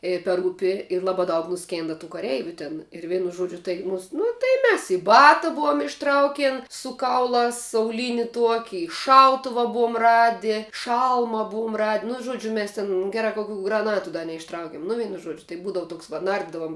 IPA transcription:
ˈeːjɛ pʲɛr ˈuːpʲɪ ɪr ˈlˠɑːbɑː dɐʊk nʊˈsʲkʲeːndɐ tuː kɐˈrʲɛɪʋʲʊ tʲɪn ɪr ˈʋʲɛɪnʊ ˈʒuɔd͡ʒʲʊ tɐɪ ˈnʊs nʊ tɐɪ ˈmʲɛs ɪ ˈbɑːtɐ ˈbuɔm ɪʃˈtrɐʊkʲeːn sʊ ˈkɐʊlˠɑːs ɐʊˈlʲiːnʲɪ ˈtuɔkʲɪ ɪ ˈʃɐʊtʊʋɐ ˈbuɔm ˈrɑːdʲɪ ˈʃɐlˠmɐ ˈbʊʊm rɐtʲ nʊ ˈʒuɔd͡ʒʲʊ ˈmʲɛs tʲɪn ˈɡʲæːrɐ kɐ kʊˈkʲuː ɡrɐˈnɑːtʊ dɐ nʲɛɪʃˈtrɐʊkʲɪm nʊ ˈʋʲɛɪnʊ ˈʒuɔd͡ʒʲʊ tɐɪ ˈbuːdɐʋʊ ˈtoːks ʋɐ ˈnɐrʲdʲɪdɐʋʊm

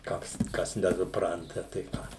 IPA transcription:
ˈkoːks ˈkɐs nʲɛsʊˈprɐntɐ tɐɪ ˈkɑː

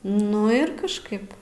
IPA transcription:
ˈnʊ ɪr kɐʃˈkɐɪp

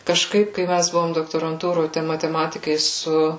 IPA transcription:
kɐʃˈkɐɪp kɐɪ ˈmʲæs ˈbʊʋoːm doːktoːrɐnˈtuːroːj tɐɪ mɐtʲɛˈmɑːtʲɪkɐɪ ˈsʊ

